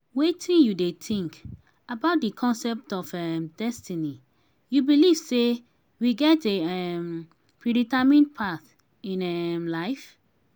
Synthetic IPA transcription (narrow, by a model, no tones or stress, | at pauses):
wetʰĩnjudetĩŋk | abaʊt̚dɨkʰɔ̃nsɛp̚tɔfɛmdɛstini | jubiliv̥se | wiɡɛteɛm | pʰɹiɾitamĩnpʰaθ | ĩnɛmlaɪf